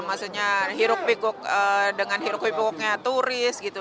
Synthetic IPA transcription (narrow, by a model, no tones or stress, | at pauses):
masuɲaɦiɾʊk̚pikʊk̚ədəŋanɦiɾʊk̚pipikɔk̚ɲat̪uɾɪsɡit̪u